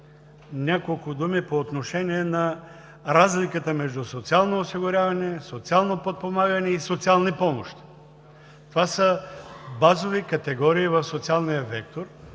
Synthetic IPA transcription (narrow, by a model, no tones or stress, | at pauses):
nʲakolˠkʊd̪umipoːt̪noʃɛniɛnɐ | ɾazlikət̪əmɛʒd̪usot̪sialˠnoːsiɡʊɾʲjavɐnɛsot̪sialˠnopot̪̚pomaɡɐnɛisot̪sialˠnipɔmoʃt̪i̥ | t̪ovasəbazovikɐt̪ɛɡɔɾiːvɐfsot̪sialˠnijəvɛk̚t̪oɾ